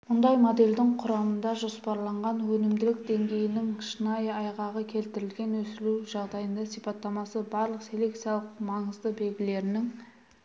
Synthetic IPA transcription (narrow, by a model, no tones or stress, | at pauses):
mʊnd̪ɑjmod̪e̞ld̪ɪŋqʰʊɾɑmənd̪ɑʒo̞spɑɾlˠɑɴʁɑnwɵnɪmd̪ɪlɪk̚d̪e̞ŋɡʲe̞jɪnɪŋʃənɑjɑjʁɑʁəkʲʰe̞lt̪ɪɾɪlɡʲe̞nwɵsɪluwʒɑʁd̪ɑjənd̪ɑsijpɑt̪ːɑmɑsəbɑɾlˠəqse̞lʲe̞k̚t̪sijɑlˠəqmɑɴəzd̪əbe̞lɡʲɪle̞ɾɪnɪŋ